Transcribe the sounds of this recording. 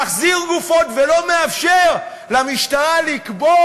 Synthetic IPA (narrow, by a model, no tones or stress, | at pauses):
aχziʁɡufo̞tvelo̞meafʃeʁ | lamiʃtaʁalikbo